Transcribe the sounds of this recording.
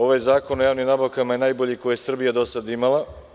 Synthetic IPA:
o̞ʋajzaːko̞nojaːʋnimnabaʋkamaje̞naːjboʎikojesr̩bijad̪o̞sad̪imalˠa

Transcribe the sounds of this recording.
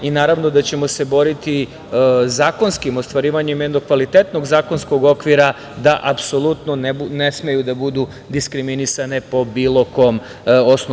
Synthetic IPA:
inaːɾaʋno̞d̪at͡ɕe̞mo̞se̞bo̞ɾit̪i | zaːko̞nskimost̪ʋaɾiːʋaɲemjed̪no̞ɡ̚kʋalit̪et̪no̞ɡzaːko̞nsko̞ɡo̞kʋiɾa | d̪aʔapso̞lˠut̪noneune̞sme̞jud̪abud̪u | d̪iskɾiminisane̞po̞biːlˠo̞ko̞m | osno

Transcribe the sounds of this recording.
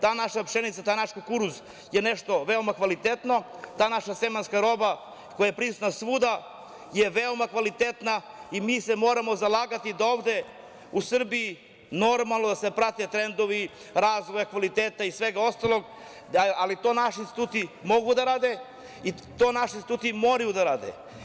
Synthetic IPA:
t̪aːnaʃapʃenit̪sat̪aːjnaʃkokuɾuz | jeneʃt̪o̞ʋe̞omakʋalit̪et̪no̞t̪aːnaʃasemanskaɾo̞ba | kojajepɾisut̪nasʋuːd̪a | jeʋeomakʋalit̪et̪na | imiːsemo̞ːɾamozalˠaːɡat̪id̪aoːvd̪e̞ | usr̩bii | no̞ɾmalˠnod̪asepɾat̪et̪ɾend̪o̞ʋi | ɾaːzʋojakʋalit̪eːt̪aisʋeɡao̞st̪alo̞ɡ | alit̪o̞ːnaʃiinst̪i̥t̪uːt̪imo̞ɡud̪aɾaːd̪e | i | t̪oːnaʃinsit̪uːt̪imo̞ːɾajud̪aɾaːd̪ḛ

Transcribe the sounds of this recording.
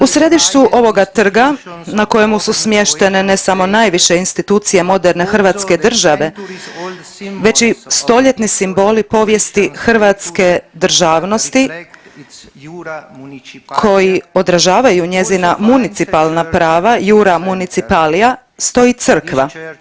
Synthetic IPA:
usɾe̞d̪iʃt͡ɕuʔo̞ʋo̞ɡat̪r̩ɡanako̞jemususmje̞ʃt̪e̞ne̞ne̞samo̞naːjʋiʃe̞inst̪it̪uːt̪sije̞mo̞d̪eɾne̞xr̩ʋat̪ske̞d̪r̩ʒaʋe̞ | ʋe̞t͡ʃist̪o̞ʎe̞t̪nisimbo̞ːlipo̞ʋje̞st̪ixr̩ʋat̪ske̞d̪r̩ʒaːʋno̞st̪i | kʰo̞jio̞d̪ɾaʒaːʋajuɲe̞zinamunit̪sipalˠnapɾaːʋajuːɾamunit̪sipaːlija | st̪o̞jit̪sɨr̩kʋa

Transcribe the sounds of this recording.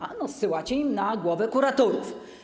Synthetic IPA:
anɔsɘwat͡ɕeimnaɡwɔvɛkuɾat̪ɔɾuf

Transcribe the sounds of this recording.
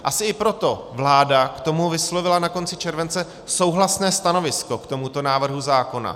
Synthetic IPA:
ʔasɪɪpɾo̞t̪o̞vlaːdakt̪o̞muvɪslo̞vɪlanako̞nt͡sɪt͡ʃɛɾvɛnt͡sɛ | so̞wɦlasnɛːst̪ano̞vɪsko̞kt̪o̞mut̪o̞naːvr̩ɦuzaːko̞na̰

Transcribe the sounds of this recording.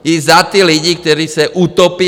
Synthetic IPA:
jizat̪iːliɟiːk̚t̪ɔɾiːsaʔut̪ɔpɪ

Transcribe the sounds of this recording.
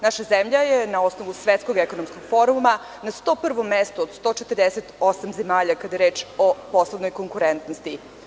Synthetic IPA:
naʃazemʎajenao̞sno̞ʋusʋet̪skoɡeko̞nomsko̞ɡ̥fo̞ɾuma | nast̪o̞ːpr̩ʋo̞mːest̪oːd̪st̪ot͡ʃet̪ərd̪eset̪o̞samzemaːʎakad̪ajeɾe̞ːt͡ʃo̞po̞slˠoʋno̞jko̞ŋkuɾent̪nost̪i

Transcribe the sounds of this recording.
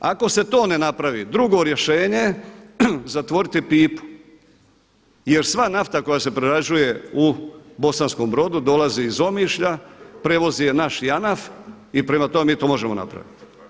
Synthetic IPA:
ako̞se̞t̪o̞ːne̞napɾaʋid̪ɾuɡo̞ɾje̞ʃe̞ːɲe̞ | zat̪ʋo̞ɾit̪ipiːpu̥ | je̞ɾsʋanaft̪ako̞jase̞pɾeɾad͡ʒuje̞ubo̞sanskombɾo̞d̪ud̪o̞laziizo̞miːʃʎapɾe̞ʋo̞zijenaʃjanaf | ipɾe̞mat̪o̞me̞miːt̪o̞ːmo̞ʒe̞mo̞na̰pɾa̰ʋit̪i̥

